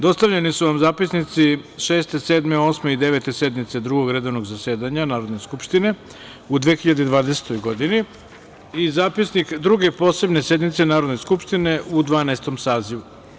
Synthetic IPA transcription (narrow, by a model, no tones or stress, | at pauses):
d̪o̞st̪aʋʎe̞nisuʋamzaːpisnit̪siʃeːst̪e̞seːd̪meo̞ːsme̞id̪eʋe̞t̪e̞se̞d̪mit̪se̞d̪ɾuɡo̞ɡɾe̞d̪o̞ʋno̞ɡzaseːd̪aɲanaːɾo̞d̪ne̞skupʃt̪ine̞ | ud̪ʋeːxiʎad̪ed̪ʋaːd̪ese̥t̪o̞jɡo̞d̪ini | izaːpisnikd̪ɾuɡe̞po̞ːse̞bnese̞d̪mit̪se̞naːɾo̞d̪ne̞skupʃt̪ine̞ud̪ʋaːnest̪o̞msaːziʋu